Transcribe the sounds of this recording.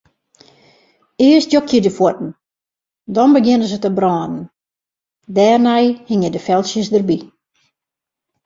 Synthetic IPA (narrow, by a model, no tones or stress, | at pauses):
ɪəstjokʰjədəfwɔtn̩ | dɔnbəɡɪnəzətəbrɔːnən̩ | dɛːrnɛjhɪŋjədəfɛlˠsjəsdərbi